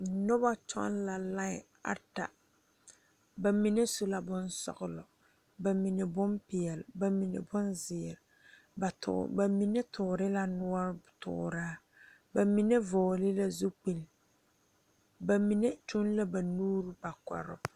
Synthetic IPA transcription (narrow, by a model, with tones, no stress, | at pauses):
nʊ˦ba˦t͡ʃɔ̰˦nla˨lã˦ɪ̰˨ | a̰˨ta̰˨ | ba˨mi˨ne˦so˨la˨bʊ˦nsɔ̰˨ɣʊ˨lɔ˨ | ba˨mi˨ne˨bʊ˦mpɪ˨ɛ˨lɪ˨ba˨mi˨nḛ˨bʊ˦nzɪ˨ɾɪ˨ | ba˨tʊ̰˨ba˨mi˨ne˦tʰʊː˨ɾɪ˦la˦nʊ˦ɔ˦ɾtʊ̰ː˨ɾaː˦ | ba˨mi˨˦ne˦vɔː˨lɪ˦la˦zu˦k͡pe˨l | ba˨mi˨ne˦tu˦nla˦ba˨nuː˦ɾu˦ba˨kɔ̰˨ɾʊ̰˦